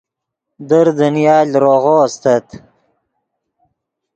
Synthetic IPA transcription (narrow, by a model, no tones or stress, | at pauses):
d̪əɾd̪ənjɑːlɾoɣoːst̪ət̪